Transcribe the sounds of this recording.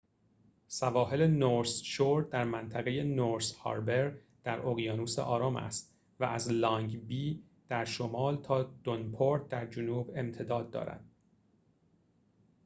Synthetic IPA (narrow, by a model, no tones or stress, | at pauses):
sævɒːɦe̞le̞noɾsʃoɾd̪æɾmænt̪ʰæɣe̞je̞noɾshɒ̰ːɾbe̞ɾ | d̪̥æɾʔoɣijɒːnuːsḛʔɒːɾɒːmʔæ̰st̪ | væʔæzlɒŋɡbiː | d̪̥æɾʃomɒːlt̪ʰɒːd̪̥onpʰoɾt̪̚d̪æɾd͡ʒonuːbe̞mt̪ʰe̞d̪ɒːd̪̚ːɒ̰ːɾæ̰d̪̥̚